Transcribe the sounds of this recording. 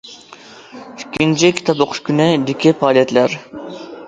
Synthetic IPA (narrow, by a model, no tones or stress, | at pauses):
ykʲʰːint͡ʃʰɪkʲʰi̥t̪ʰɑpoqʰʊ̥ʃkʲynɪd̪ɪkʲipɑːlˠijɛt̪læɾ